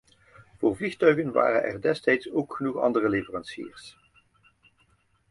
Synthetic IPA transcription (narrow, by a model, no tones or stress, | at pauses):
v̥ʊːɹvlixtœɥɣənʋa̰ːrə̰nɛ̰rdɛstɛjtsowkχənuχɑ̰ndərəlevərɑnsḭːəɹs